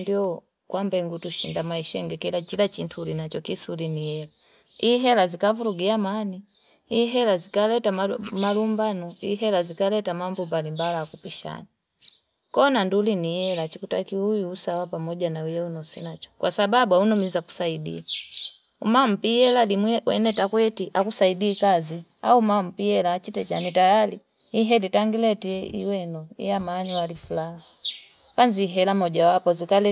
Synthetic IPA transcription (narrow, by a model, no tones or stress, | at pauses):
ndiɔ | kwʔambɛŋɡutuʃindamaiʃɛŋɡɛkilat͡ʃilat͡ʃintʰulinat͡ʃɔkisulinijɛla | iɦɛlazikavuɾuɡiamani | iɦɛlazikalɛtamamalumbanɔiɦɛlazikalɛtamambɔmbalimbalakupiʃa̰ni | kɔnandulinijɛlat͡ʃikutakiujuːsawapamɔɟanaujaunɔsɛnat͡ʃɔ̥kwasababuaunɔmizaku̥saidḭa | umam̩piɛlalimwɛwɛ̰nɛtakwɛtiʔakusaidiːkazia̰umam̩piɛlat͡ʃitɛt͡ʃa̰nitajaliː | ɦɛlitaŋɡilɛtiḭwɛnɔḭjamaːniwalifulaɦa | kanziɦɛlamɔɟawapɔzikalɛ